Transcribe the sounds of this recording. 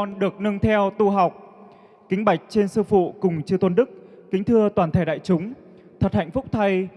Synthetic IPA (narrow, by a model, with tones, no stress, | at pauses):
ɔ˧nɗɨ˨˩ək̚nɨ˧ŋt̪ʰɛ˧wt̪u˧ɦa˨˩wk͡p̚ | kï˨˦ŋ̟ɓa˧˩jk̟̚t͡ɕe˧nsɨ˧fṵ˧˨kʊ˨˩ŋ͡mt͡ɕɨ˧t̪wə˧nɗɨ˦˥k̚kï˨˦ŋ̟t̪ʰɨ˧ət̪waː˨˩t̪ʰaː˧˩jɗa̰ː˧˨jt͡ɕʊ˨˦ŋ͡m | t̪ʰə˨˩t̚ha̰˧˨jŋ̟fʊ˦˥k͡p̚t̪ʰa˧j